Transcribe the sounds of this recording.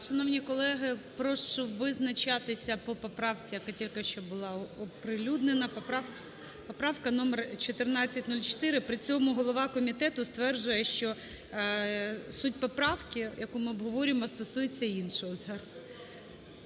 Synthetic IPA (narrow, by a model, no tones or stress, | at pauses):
ʃɐnɔwnʲikɔlˠɛɦɪpɾɔʃɔʋɪznɐt͡ʃɑt̪ɪsʲɐpɔpɔpɾɑwt͡sʲijɐkatʲilʲkeʃt͡ʃɔbʊlˠɑɔpɾɪlʲud̪nenɐpɔpɑ | pɔpɾɑwkɐnɔmert͡ʃɔt̪ɪrnɑt͡sʲːɐt̚ʲnulʲt͡ʃɔ̥t̪ɪɾɪpɾɪt͡sʲɔmʊɦɔlˠɔʋɑkɔmʲit̪ɛt̪ʊst̪ʋɛrʒʊjɛʃt͡ʃɔ | sut̚ʲpɔpɾɑwkʲɪjʔɐkumɪɔbɦɔʋɔɾʲɪmɔst̪ɔsujet͡sʲːɐinʃɔɦɔzɑɾɐz